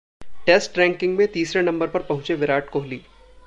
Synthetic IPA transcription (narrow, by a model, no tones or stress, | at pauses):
ʈeːsʈɾɛ̃ːŋkɪ̃ŋɡmẽt̪iːsɾenɐ̃mbəɾpɐɾpɐɦʊ̃t͡ʃeʋɪɾaːʈkoːɦliː